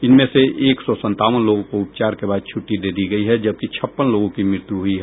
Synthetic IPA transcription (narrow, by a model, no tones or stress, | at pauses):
ɪnmẽseʔeːksɔsə̃nt̪aːʋənloːɡõkoʊpt͡ʃaːɾkebaːd̪̚t͡ʃʰʊʈːid̪eːd̪iɡɐiɦɛd͡ʒɐb̚kit͡ʃʰɐpːənloːɡõkimɾɪɾt̪juɦʊiɦɛː